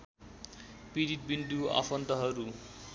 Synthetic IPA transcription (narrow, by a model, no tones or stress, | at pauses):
piɾit̪̚bind̪ua̰fʰʌnt̪ʌɦʌɾu